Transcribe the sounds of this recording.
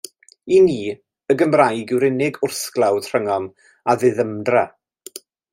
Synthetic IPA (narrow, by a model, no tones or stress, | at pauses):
iniː | əɡəmrajɡɪwɾɪnɪɡʊrsklˠawdr̥əŋɔm | aðɨðəmdra